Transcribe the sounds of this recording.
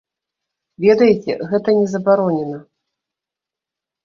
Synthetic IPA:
vʲɛd̪ɐjet͡sʲɛ̰ɣɛt̪ɐnʲɛzɐbaɾɔnʲɛnɐ

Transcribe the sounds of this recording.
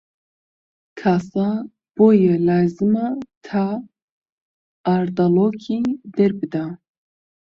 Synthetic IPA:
kʰaːsa | b̥oːjɛlaːzɨmat̪ʰa | ɾd̪aloːkʰiːd̪ɛɾbɨd̪a

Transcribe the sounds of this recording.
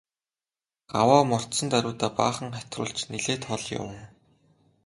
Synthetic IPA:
ɢ̥awaːmɔr̥t̪sɞ̆nt̪æɾʲʊːt̪aːpa̰ːχə̆ŋχæt̪rʊ̰ːɮt͡ɕniɮeːt̪χɔɮjʊ̰w

